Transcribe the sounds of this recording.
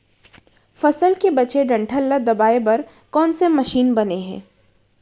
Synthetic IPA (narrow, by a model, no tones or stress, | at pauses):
fɐsəlkebɐt͡ʃeɖɐ̃ɳʈʰəlːad̪ɐbaːebɐɾ | kɔːnsemɐʃiːnbɐneɦɛ̰̃ː